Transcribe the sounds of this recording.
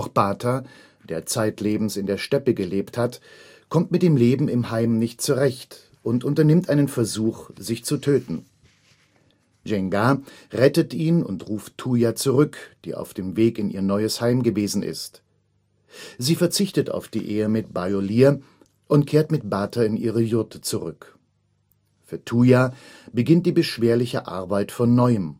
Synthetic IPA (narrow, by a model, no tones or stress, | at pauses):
ʊxb̥aːtʰa | d̥eːɐt͡saɪtleːbm̩sɪndeːɐʃtɛpəɡəleːpthat | kʰɔmtmɪt̚d̥eːmleːbm̩ɪmhaɪmnɪçt̚t͡suʁɛçt | ʔʊntʔʊntɐnɪmtʔaɪnənfɛɐzuːxz̥ɪçt͡sutʰøːtn̩ | ʒɛŋɡaʁɛtətʔiːnʊ̰ntʁuːftʰːuːjat͡suʁʏkd̥ḭːʔa̰ʊfd̥eːmveːkɪnʔḭːɐnɔʏəshaɪmɡəveːzn̩ɪ̰st | ziːfɛɐt͡sɪçtətʰa̰ʊfd̥ḭːʔeːəmɪt̚b̥aɪoliːɐ | ʔʊntkʰeːɐtmɪtb̥aːtɐɪnʔiːʁəjʊɐtʰə̥t͡suʁʏk | fyːɐtʰuːjabəɡɪnt̚d̥iːbəʃv̥eːɐlɪçə̰ʔa̰ɐbaɪtfɔnːɔʏəm